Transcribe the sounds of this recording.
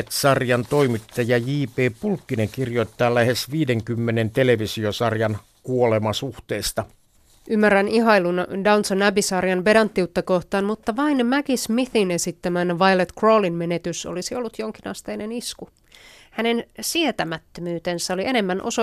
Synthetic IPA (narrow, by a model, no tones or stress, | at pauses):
et̪sɑrjɑnt̪o̞imit̪ːɑjɑjiːpeːpulkːineŋkirjo̞it̪ːɑːlæhesʋiːdeŋkymːenent̪eleʋisiosɑrjɑn | kuolemɑsuht̪eːst̪ɑ | ʔymːæræniɦɑilundɑunsonæbisɑrjɑnʋe̞dɑnt̪ːiut̪ːɑko̞ht̪ɑːnmut̪ːɑʋɑinmækismiθine̞sit̪ːæmænʋɑjlet̪kro̞ːlinme̞net̪yso̰lisio̞lːut̪joŋkinɑ̰st̪eine̞nisku | hæne̞nsiet̪æmæt̪ːømyːt̪e̞nsæoliʔe̞ne̞mːænʔo̞̰so